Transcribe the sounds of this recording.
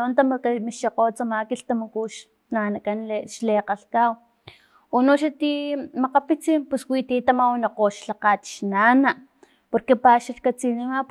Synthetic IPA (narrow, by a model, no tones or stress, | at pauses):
ont̪amkamiʃaqot͡samakiɬt̪amakuʃ | nanakanleʃleːqaɬkaw | onoʃat̪imaqapit͡siːmpuswit̪it̪amawnaqoːʃɬaqat̪ʃnaːnaʔ | poɾkepaʃaɬkat͡sinima